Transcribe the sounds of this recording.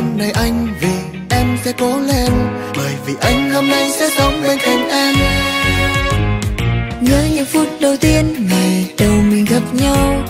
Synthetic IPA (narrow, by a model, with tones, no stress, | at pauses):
na˨˩jʔa˧jŋ̟vi˨˩ | ʔɛ˧msɛ̰˧˥ko˨˦le˧n | ɓəː˨˩jvi˨˩ʔa˧jŋ̟hoː˧mna˧jsɛ̰˧˥sə˨˦wŋ͡mɓe˧nka˨˩ŋ̟ʔaː˧n | ŋɨ˧˥əɲə˨˩fu˦˥t̚ɗə˨˩wt̪i˧ənŋaː˨˩jɗə˨˩wmï˨˩ŋ̟ɣə˨˩p̚ɲa˧w